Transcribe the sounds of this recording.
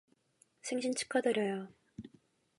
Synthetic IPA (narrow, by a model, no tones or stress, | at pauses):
sʰeŋɕʰint͡ɕʰɯ̥kʰʌdʌɾjʌjo